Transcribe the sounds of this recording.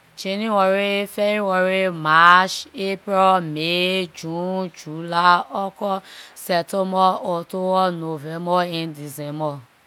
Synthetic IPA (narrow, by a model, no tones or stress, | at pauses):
t͡ʃenĩwɔɾefɛiwɔɾemaʃepɾɛmed͡ʒũd͡ʒulaɔkɔsɛtomɔotowɔnovɛmbɔendizɛmɔ